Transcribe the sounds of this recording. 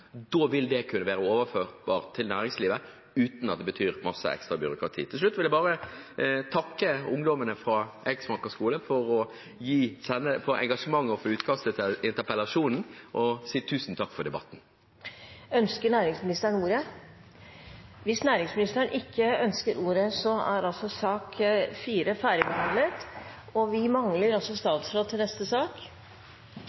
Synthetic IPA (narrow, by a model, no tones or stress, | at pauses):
d̪oːʋɪld̪ɛkʰʉnːəʋæːɾəoːʋəɾføːʁbɑːʁt̪ʰɪlnæːɾɪŋsliːʋə | ʉːt̪nɑt̪̚d̪ɛbət̪ʰyːɾmɑsːə̰ɛ̰kst̪ɾɑbʏɾʊkɾɑt̪ʰḭːt̪ʰɪlʂ̬lʉt̪ːʋɪld̪æbɑːɾə | t̪ʰɑkːəʊŋd̪ɔmənəfɾɑʔɛɡsmɑkəskuːləfɔɾɔ | jiːsɛnːəfɔɾɛ̰ŋɡɑʂəmɑŋːɔfɔʉːt̪kʰɑst̪əɪnt̪əɾpəlɑʂuːnn̩ʔɔsiːt̪ʰʉːsn̩t̪ʰɑkːfɔd̪ɛbɑt̪ːn̩ | œnskəɳæːɾɪŋsmɪnɪst̪əɾɳuːɾə | ʋɪsnæːɾɪŋsmɪnɪst̪əɾəɳʔɪkʰːəœnskəɾuːɾəsɔæɾɑlsɔsɑːkfiːɾəfæːɾjəbɛɦɑnd̪lət̪ | ɔʋɪmɑŋləɾɔsɔst̪ɑːt̪sfɾoːt̪ʰːɪlnɛst̪əsɑːk